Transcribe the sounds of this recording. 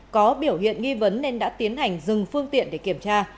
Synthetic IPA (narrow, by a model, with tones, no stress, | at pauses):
kɔ˨˦ɓi˧˩əwhḭ˧˨ənŋi˧və˨˦nːe˧nɗa̰ː˧˥t̪i˨˦ənɦa˨˩jŋ̟zɨ˨˩ŋfɨ˧əŋt̪ḭ˧˨ənɗe˧˩ki˧˩əmt͡ɕaː˧